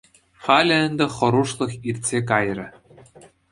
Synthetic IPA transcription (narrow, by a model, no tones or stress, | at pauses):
χɑlʲɘ̆ɘ̆nd̪ɘ̆χɤ̆ɾuʂlˠɤ̆xirʲt̪ʲsʲek̬ɑjrʲɘ̆